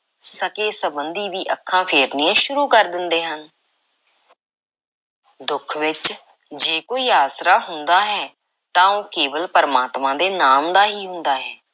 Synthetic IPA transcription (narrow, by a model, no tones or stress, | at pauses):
səkeːsəbənd̪iːʋiːʔəkʰːãːpʰeːɾniːãːʃʊɾuːkəɾd̪ɪnd̪eːɦən | d̪ʊkʰʋɪt͡ʃ | d͡ʒeːkoːiːaːsɾaːɦʊnd̪aːɦɛː | t̪ãːõːkeːʋəlpəɾəmaːt̪mãːd̪eːnaːmd̪aːɦiːɦʊnd̪aːɦɛː